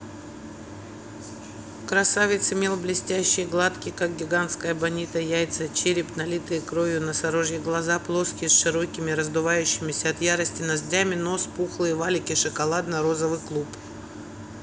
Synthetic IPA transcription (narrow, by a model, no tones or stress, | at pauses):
kɾɐsavʲɪt̪sɪmʲe̞lˠblʲɪsʲtʲæɕːɪjɡlˠat̪kʲɪkak̚ɡʲɪɡant̪skəjəbɐnʲit̪əjæjt̪sət͡ɕeɾʲɪpnɐlʲit̪ɨjkɾovʲjʊnɐsɐɾo̞ʐjɪɡlˠɐzaplˠo̞skʲɪsʂɨɾo̞kʲɪmʲɪɾəzd̪ʊvajʉɕːɪmʲɪsʲɐɐt̪jaɾəsʲtʲɪnɐzdʲamʲɪno̞spuxlˠɨjvalʲɪkʲɪʂɨkɐlˠad̪nɐɾo̞zəvɨklˠup